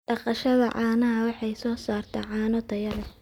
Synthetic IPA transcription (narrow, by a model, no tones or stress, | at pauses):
ɖɑqɑʃɐðɐʕɑːnɐɦɐwɑħɑjsɔːsaːrt̪ʰɛʕɑːnɔt̪ʰɐjɐlɛ